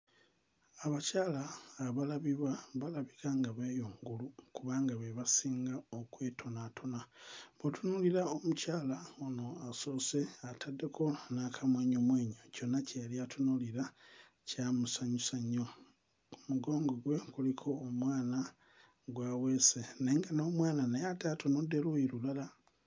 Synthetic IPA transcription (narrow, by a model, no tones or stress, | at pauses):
aβacaːlaːβalaβiβwaβalaβikaŋɡaβe̞joːŋɡulukuβaːŋɡaβeβasiːŋɡao̞kwe̞ːtʰo̞natʰo̞naβotunuliɾaomucaːlaono̞aso̞ːse̞atʰadːe̞kʰo̞nakʰamweːɲomweːɲoco̞nːaceliatʰunuliɾa | camusaɲusaɲo̞ | kumuɡo̞ːŋɡo̞ɡwe̞kulikʰo̞ːmwaːna | ɡwaweːseneːŋɡano̞ːmwaːnanejatatonode̞lwuiɾulala